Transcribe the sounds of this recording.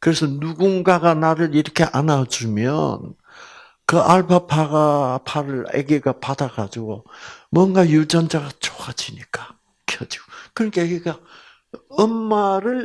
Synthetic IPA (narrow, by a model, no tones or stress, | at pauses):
kɯɾe̞sʰʌnuɡunɡaɡanaɾɯɾiɾʌkʰe̞ʔanad͡ʑumjʌ̰n | kɯʔaɭpapʰaɡapʰaɾɯɭḛɡiɡapad̪aɡad͡ʑiɡomwʌŋɡajud͡ʑʌnd͡ʑaɡat͡ɕo̥ɡad͡ʑiɲik͈ḁ | kʰjʌd͡ʑi̥ɡokɯɾʌkʰeeɡiɡa | ɯmːaɾɯɭ